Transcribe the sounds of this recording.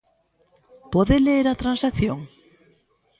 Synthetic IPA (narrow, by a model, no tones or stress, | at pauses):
pɔðeleɾat̪ɾansakθjoŋ